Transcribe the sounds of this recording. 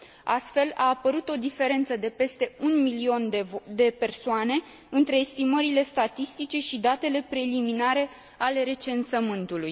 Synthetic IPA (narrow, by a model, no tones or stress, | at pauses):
a̰st̪fe̞la̰ːpəɾut̪o̞d̪ife̞ɾe̞nt̪səd̪e̞pe̞st̪e̞unmilio̞nd̪e̞pe̞rsoane̞ | ɨnt̪ɾe̞ːst̪iməɾile̞st̪at̪ist̪it͡ʃe̞ʃid̪at̪e̞le̞pɾe̞liminaɾe̞ | ale̞ɾe̞t͡ʃe̞nsəmɨnt̪uluj